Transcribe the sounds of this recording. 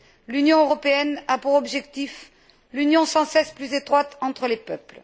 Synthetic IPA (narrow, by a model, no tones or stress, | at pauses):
lynjɔ̃øʁɔpeɛnapuʁɔbʒɛk̚t̪if | lynjɔ̃sɑ̃sɛsplyzet̪χwat̪ɑ̃t̪χəlepœpl